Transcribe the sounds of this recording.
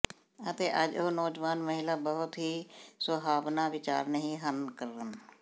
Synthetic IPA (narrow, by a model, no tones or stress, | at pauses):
ət̪eːʔəd͡ʒoɦnɔːd͡ʒʋaːnməɦɪlaːbəɦʊt̪ɦiːswəɦaːbnaːʋɪt͡ʃa̰ːɾnəɦĩːɦənkəɾən